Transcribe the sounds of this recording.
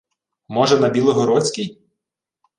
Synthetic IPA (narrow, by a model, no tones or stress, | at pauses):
mɔʒɛnɐbʲilˠɔɦɔɾɔt͡sʲkʲij